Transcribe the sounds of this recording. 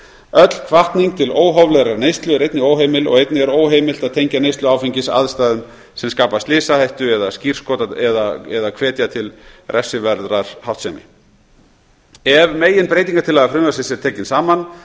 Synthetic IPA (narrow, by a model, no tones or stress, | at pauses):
œt̪l̥kʰvaht̪niŋk̚t̪ʰɪloːwɦɔvlɛɣɾaɾneːjst̪lʏɾejt̪nɪoːwɦeːjmɪlɔ̰ɣejt̪nɪɛɾoːwɦeːjmɪl̥t̪aðt̪ʰejɲcanejst̪lʏaːwfiɲcɪsa̰ðst̪aːðʏm | sɛmskaːpast̪lɪːsahajht̪ʏɛðascir̥skɔːt̪aɛðaɛðakʰvɛːt̪jat̪ʰɪlrʔɛsːʏvɛɾðɾaɾ̥hawht̪sɛmɪ̰ | ɛvmeːjɪnpɾeːjt̪̬iŋkaɾt̪ʰɪlːaɣafɾʏmvasɪsɛɾ̥t̪ʰɛːcɪnsaːman